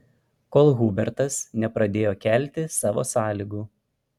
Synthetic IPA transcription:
koːlˠɣubʲɛɾt̪ɐsnʲɛpɾɐd̪ʲeːjoːkʲɛˑlʲˑt̪ʲɪsɑːʋo̰ːsɑːlʲiːɡuː

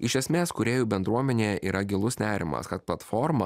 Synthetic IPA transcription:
ɪʃʲɛsʲmʲeːskʊɾʲeːjuːbʲɛnd̪ɾuɔmʲɛnʲeːjɛʔiːɾɐɡʲɪlˠʊsnʲæːɾʲɪmɐ̰skɐt̪̚plˠɐt̪fɔːɾmɐ

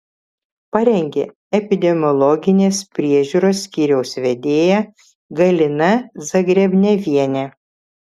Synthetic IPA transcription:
pɐɾʲɛŋʲɡʲeː | ɛpʲɪd̪ʲɛmʲɔlˠɔɡʲɪnʲeːspʲɾʲiɛʒʲuːɾoːsʲkʲiːɾʲɛʊsʋʲɛd̪ʲeːjɛ | ɡɐlʲɪnɐzɐɡɾʲɛbʲnʲɛʋʲiɛnʲɛ

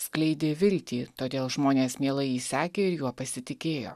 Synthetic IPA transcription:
sklʲɛɪd̪ʲeːʋʲɪlʲt̪ʲiːt̪oːd̪ʲeːlˠʒmoːnʲeːsmʲiɛlˠɐɪiːsʲæːkʲeːɪɾjuɔpɐsʲɪt̪ʲɪkʲeːjo̰ː

